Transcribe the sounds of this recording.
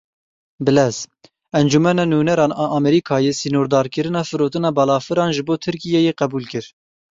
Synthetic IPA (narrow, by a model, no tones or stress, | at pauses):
bɨlɛz | ɛnd͡ʒumɛnɑːnuːnɛɾɑːnɑʔɑːmɛɾikʰɑːjesinoːɾd̪ɑːɾkɨɾɨnɑːfɨɾoːt̪ɨnɑːbɑlɑːfɨɾɑːnʒɨboːt̪ʰɨɾkijɛjeqɛbuːlkɨɾ